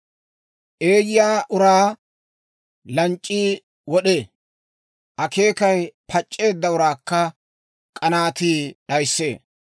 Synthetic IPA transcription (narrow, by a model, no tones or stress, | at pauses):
ʔeːjɪjaːʔʊɾaː | lɐnt͡ʃʼːiː | wɔɗeː | ʔɐke̞ːkɐjpʰɐt͡ʃʼːe̞ːd̪ːɐʊɾaːkːɐ | kʼɐnaːt̪iːɗɐjsːe̞ː